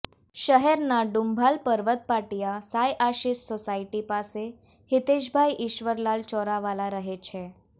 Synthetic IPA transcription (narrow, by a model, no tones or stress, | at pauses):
ɕəɦɛɾnaɖumbʱalpəɾʋət̪̚paʈijasajʔaɕiːsːosaiʈipase | hit̪eɕbʱajʔiɕʋəɾlalt͡ɕɔɾaʋalaɾəɦet͡ɕʰe